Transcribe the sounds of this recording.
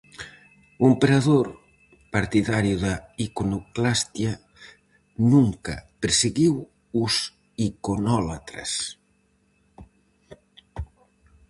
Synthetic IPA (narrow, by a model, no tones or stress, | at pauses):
ompeɾaðoɾ | paɾt̪iðaɾjuðaikonoklast̪ja | nuŋka̰peɾseɣiw | us | ikonɔlat̪ɾa̰s